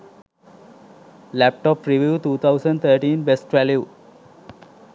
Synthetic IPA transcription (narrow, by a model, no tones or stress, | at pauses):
læp̚ʈɔːpɾiʋjuːt̪uːt̪ʰaʊsə̃ɳɖt̪ʰəːɾʈĩːnbesʈʋælju